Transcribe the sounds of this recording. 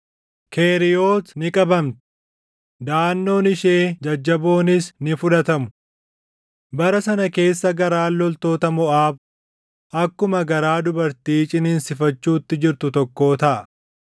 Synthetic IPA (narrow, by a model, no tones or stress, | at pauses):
kʰe̞ːɾɪjo̞ːt̪nɪkʼɐbɐmt̪ɪ̥ | d̪aːnːo̞ːnɪʃeːd͡ʒɐd͡ʒːɐbo̞ːnɪsnɪfʊᶑɐt̪ɐmʊ̥ | bɐɾɐsɐnɐke̞ːsːɐɡɐɾaːlːɔlt̪o̞ːt̪ɐmɔʔaːb | ʔɐkːʊmɐɡɐɾaːd̪ʊbɐɾt̪iːt͡ʃʼɪniːnsɪfɐt͡ʃːuːt̪ːɪd͡ʒɪɾt̪ʊt̪ɔkːo̞ːt̪ɐʔɐ